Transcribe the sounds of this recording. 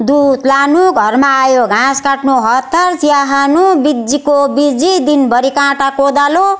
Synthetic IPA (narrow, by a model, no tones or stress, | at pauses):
d̪ud̪lanuɡʱʌrmaːjoɡʱãskaʈnuɦʌt̪ːarsijaɦanubid͡zikobid͡zid̪inbʌɾikãʈakod̪alo